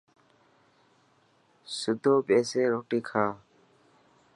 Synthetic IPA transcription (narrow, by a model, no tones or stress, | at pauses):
sʊd̪ʱoːpeːseːɾoːʈiːkʰaː